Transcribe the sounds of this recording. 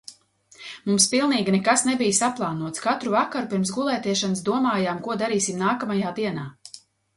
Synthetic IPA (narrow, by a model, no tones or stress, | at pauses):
mumspilˠniːɡʲinɛkasnɛbijsaplˠaːnuɔt̪skat̪ɾuvakaɾupiɾmsɡulˠɛːt̪ɛʃansd̪uɔmaːjaːmkuɔd̪aɾiːsimnaːkamajaːd̪iɛnaː